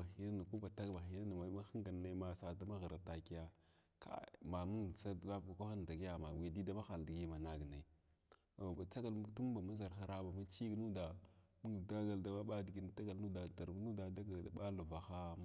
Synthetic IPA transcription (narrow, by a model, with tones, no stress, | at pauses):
a˨xi˦na˦na˨ku˦ba˨ta˦ɡba˨xi˦na˦na˨ma˨˦ma˦xi˦ŋɡa˨n˦na˦ma˨sa˨da˦ma˦ɣə˨ɾa˨ta˨ki˦ja˦ | kʰa̰˦ma˨mu˦ŋ˨sa˦dla˦vka˨kʷa˦xa˦n˨da˨ɡi˦ja˨ma˨i˨di˦da˦ma˦xa˨ldi˨ɡi˦˨ma˨na˨ɡna˨ | ba˨t͡sa˦ɡa˨ltu˦m˦ba˨ma˦za˨ɾxa˦ɾa˦ba˨ma˦t͡ʃi˦ɡnu˦da˨ | mu˦ŋ˨da˦ɡa˨lda˨ɓa˦ɓa˦di˨ɡi˦n˨ta˦ɡa˨lnu˦da˨da˨ɾbnu˦da˨da˦ɡa˨lda˨ɓa˦lu˨va˨xa˦